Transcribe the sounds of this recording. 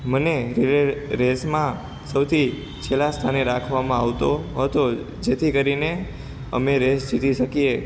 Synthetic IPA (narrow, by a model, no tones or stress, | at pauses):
məneɾɾesmã | səwt̪ʰi | t͡ʃʰelast̪ʰaneɾakʰʋamãaʋt̪oɦət̪o | d͡ʒet̪ʰikəɾine | ə̰meɾesd͡ʒit̪iʃəkije